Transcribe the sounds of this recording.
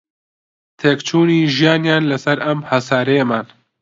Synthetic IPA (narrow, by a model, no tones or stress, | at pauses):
t̪ʰeːkt͡ʃʰuːniːʒijaːnjaːnlɐsɐɾɐmhɐsaːɾejemaːn